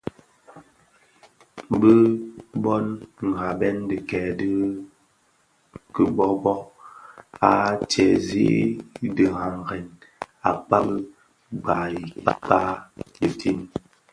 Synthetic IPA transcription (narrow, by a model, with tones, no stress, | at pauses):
bə˦bɔ˦nŋ̩˨ɡa˨bɛ˦ndə˨kɛ˨də˦ | kə˨bɔ˦bɔ˦ | a˨t͡ʃɛ˨zḭ˦də˨ɣa˨ŋ˨ɡɛ˨n | a˨k͡pa˦bə˦ | ɡ͡ba˨i˨k͡pa̰˦k͡pa˦də˨tʰi˦n